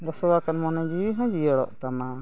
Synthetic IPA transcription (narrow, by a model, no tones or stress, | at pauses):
ɡɔsɔwakanmɔnɔd͡ʒiɦɔ̃d͡ʒijɔɽɔ̰ʔt̪ana